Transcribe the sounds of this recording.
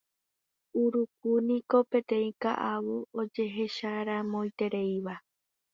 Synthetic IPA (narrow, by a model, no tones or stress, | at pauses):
uɾuk̚unĩko̞pẽ̞t̪ẽ̞ĩkaʔaβuod͡ʒe̞ɦe̞ʃaɾãmõ̞ĩt̪e̞ɾe̞jiʋa